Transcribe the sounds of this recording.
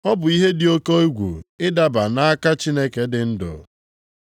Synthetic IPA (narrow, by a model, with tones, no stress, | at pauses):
ɔ˦bʊ˨i˦ɦe˦dɪ˨o˦ko˦e˦ɡʷṵ˨ɪ˦da˦ba˨na˦a˦ka˦t͡ʃi˦ne˦ke˨dɪ˨n̩˦dʊ̰˨